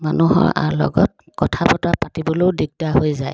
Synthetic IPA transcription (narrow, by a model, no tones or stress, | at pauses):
manuɦɔ̰ɹa̰ɹlɔ̰ɡɔt̚ | kɔtʰapɔtapatibɔlodiɡ̚daɦojzaj